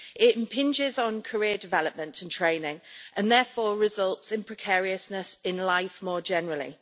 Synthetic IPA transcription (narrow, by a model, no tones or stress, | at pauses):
ɪtɪ̃mpʰɪ̃nd͡ʒɪzn̩kʰəɹɪədɪvɛləp̚mə̃ntʰə̃ntʰɹ̥ẽɪ̃nɪ̃ŋʔə̃nðɛːfɔːɹɪzʌlˠtsɪ̃npʰɹ̥ɪkʰɛːɹiəsnəsɪ̃nlaɪfmɔːd͡ʒɛnəɹəlḭ